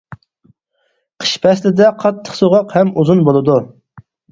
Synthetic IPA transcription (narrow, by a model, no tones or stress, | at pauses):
qʰə̥ʃpʰɛslɪd̪ɛqʰɑt̪ʰːə̥χsoʁɑqhɛmuzunbolˠɨd̪u